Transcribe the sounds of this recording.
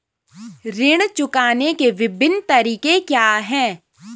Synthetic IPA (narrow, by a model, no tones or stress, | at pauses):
ɾɪɽ̃t͡ʃʊkaːnekeʋɪbʱɪnt̪ɐɾiːkekjaːɦɛ̃ː